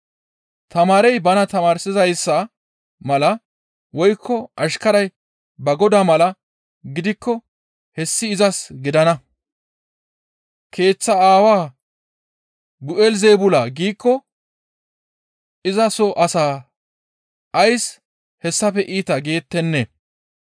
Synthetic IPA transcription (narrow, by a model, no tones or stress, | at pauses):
t̪ɐmaːɾɛjbɐnɐt̪ɐmaːɾsɪzɐjsːɐ | mɐlɐ | wɔjkʰːɔʔɐʃkɐɾɐj | bɐɡɔd̪aːmɐlɐ | ɡɪd̪ɪkːɔ | hɛsːɪːzɐsɡɪd̪ɐnɐ | kʰe̞ːt͡sːɐaːwaː | bʊʔɛlzeːbʊlaːɡiːkːɔ | ʔɪzɐsɔʔɐsaː | ʔɐjs | hɛsːɐpɛʔiːt̪ɐɡe̞ːt̪ːɛnːe